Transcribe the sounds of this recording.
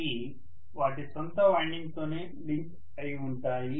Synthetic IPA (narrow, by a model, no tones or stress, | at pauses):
i | ʋaːʈisɔnt̪ɐʋaːɳɖiŋɡt̪o̞ːne̞ː | liŋk | ɐjuɳʈaːji